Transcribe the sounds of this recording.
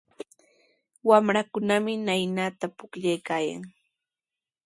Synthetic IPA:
wamɾakʊnamɪnajnat̪apʊkʎajkaːja̰ŋ

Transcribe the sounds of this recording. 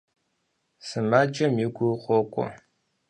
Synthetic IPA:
sɨmaːd͡ʒɐmjɪɡʷuχʷɔkʷʼɔ̰

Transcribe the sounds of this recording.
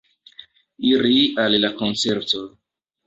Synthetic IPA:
iɾiallako̞nt͡seɾto

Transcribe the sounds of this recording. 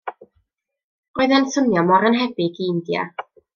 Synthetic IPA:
oɨðansəmjɔmɔɾənɦɛbɪɡiɪndja̰

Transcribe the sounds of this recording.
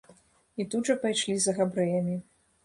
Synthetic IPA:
it̪udʐɐpajʂlʲizɐɣabɾɨjɐmʲi

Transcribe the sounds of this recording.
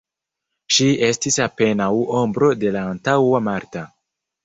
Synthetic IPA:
ʃie̞stisape̞nawombɾo̞de̞laːntawamaɾta

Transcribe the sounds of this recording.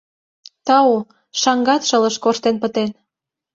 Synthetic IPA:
t̪ɑo | ʃɑŋɡɑt̪ʃə̆lə̆ʃkoʃt̪enpət̪en

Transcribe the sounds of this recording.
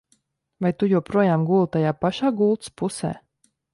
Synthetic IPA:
vajt̪ujuwpɾuɔjaːmɡuːlˠt̪ajaːpaʃaːɡuːlˠt̪spusɛ̰ː

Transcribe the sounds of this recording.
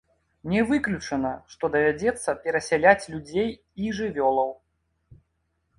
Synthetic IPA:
nʲɛvɨklʲut͡ʂɐnɐʂt̪ɔd̪ɐvʲad͡zʲɛt̪sːɐpʲɛɾɐsʲɛlʲat͡sʲlʲud͡zʲej | iʐɨvʲɔlˠɐw

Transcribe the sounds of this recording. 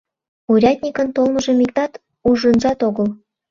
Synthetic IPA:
uɾʲɑd̪ʲnʲikə̆nt̪olmɤ̆ʒĕmik̚d̪ɑt̪ | uʒə̆nʒɑt̪oɣə̆l

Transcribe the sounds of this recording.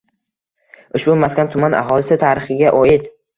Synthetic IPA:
ʊʃbʊmaskʲant̪ʰʊmanʔa̰ɦɒlˠɪsɪt̪ʰaɾɪχɪɡʲaʔɒjɪd̪

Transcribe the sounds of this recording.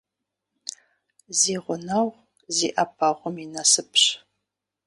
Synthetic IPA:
ziːʁʷɔnɐʁʷ | zḭːʔɐpʰɐʁʷʊminɐsɨpɕ

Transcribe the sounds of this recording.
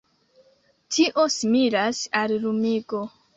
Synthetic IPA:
tʰiʔo̞smiɾasalɾumiɡo̞

